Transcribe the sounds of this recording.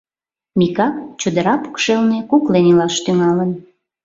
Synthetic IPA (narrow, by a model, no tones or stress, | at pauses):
mikɑkt͡ɕud̪əɾɑpu̥kʃelnekuklenilɑʃt̪yŋɑlən